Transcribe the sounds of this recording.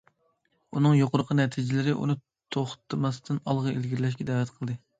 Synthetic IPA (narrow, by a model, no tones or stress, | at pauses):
unɨŋjoqʰʊɾqʰənɛt̪ʰɪd͡ʒɪlɪɾɪʔṵnɨ | t̪ʰoχt̪ʰɨmɑst̪ɨnɑlˠʁɑḛlɡʲiɾlɛʃ̬kʲɛd̪æːvɛt̪qʰəlˠd̪ɨ